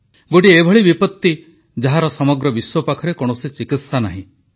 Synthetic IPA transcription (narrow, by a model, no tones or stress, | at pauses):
ɡoʈiebʱɔɭibipɔt̪ːi | d͡ʒaɦaɾɔsɔmɔɡɾɔbiswɔpakʰɔɾekɔɽ̃osit͡ʃikit̪sanaɦĩ